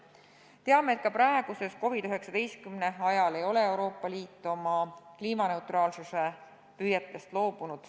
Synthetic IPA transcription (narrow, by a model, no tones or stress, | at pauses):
t̪e̞ɑme̞eːt̪̚kɑpɾæeɡ̥use̞sko̞vid̪yɦe̞ksɑd̪e̞jskymne̞ɑjɑle̞jo̞le̞e̞wɾo̞ːpˑːɑliːt̪ːˑo̞mɑkliːmɑne̞ut̪ˑrɑːlsuse̞ | pyjet̪ːˑe̞st̪lo̞ːb̥unud̪̥